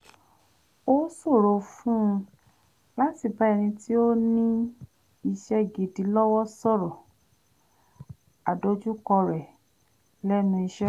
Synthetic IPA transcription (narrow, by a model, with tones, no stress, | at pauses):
o˦so˦˨ɾo˨˧fũ˦˧ | la˦ti˨ba˨˦ɛ˧˨nĩ˧ti˦o˦nĩ˦ | i˧ʃɛ˦ɡi˨di˨˦lɔ˦wɔ˦sɔ˦˨ɾɔ˨ | a˨do˨˦d͡ʒu˦kɔ˧ɾɛ˨ | lɛ˦nũ˧i˧ʃɛ˦